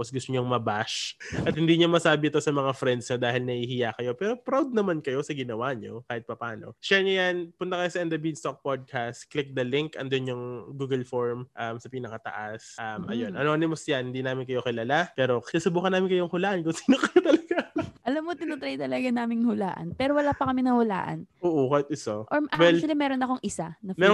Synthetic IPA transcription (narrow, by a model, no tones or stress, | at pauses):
posɡʊst̪oɲoŋmɐbaʃʔɐt̪̚hɪnd̪iːɲomɐsaːbɪɪt̪o̞sɐmɐŋafɾɛnd̪sɲod̪aːhɪlnɐʔiːhɪjakɐjo̞pɛːɾo̞pɾawd̪̚nɐmankɐjo̞sɐɡɪnɐwaɲo̞̰kaːhɪt̪̚pɐpaːno̞̰ʃɛɲojanpʊnt̪ɐkɐjo̞sɐʔɛnd̪ɐbid̪st̪ok̚pod̪̚kʰast̪klɪk̚d̪ɐlɪŋkʔɐ̰nd̪onjʊŋɡuːɡɐlfoɹmʔamsɐpiːnɐkɐt̪ɐ̰ʔasʔɐmʔɐ̰jonʔɐnoɐnɪmosjanhɪnd̪iːnaːmɪnkɐjo̞kɪlalapɛːɾo̞kɪasɐbuːkɐnaːmɪnkɐjoŋhʊlaːʔɐnkʊŋsi̥ːnokɐjot̪ɐlɐɡaʔɐlamːot̪ɪnʊt̪ɾɐjt̪ɐlɐɡanaːmɪŋhʊla̰ːʔɐ̰npɛːɾowɐlaːpɐkɐmɪnɐhʊla̰ːʔɐ̰nʔoːʔokaːhɪt̪ɪsoʔoɹʔawɛlsɪlamɛːɾonɐko̞ŋʔɪsanɐmɛːɾ